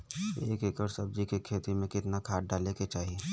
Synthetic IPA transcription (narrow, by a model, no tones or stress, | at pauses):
eːkekəɾsəb̚d͡ʒikekʰeːt̪imẽkɪt̪nakʰaːʈɖaleket͡ʃaːɦie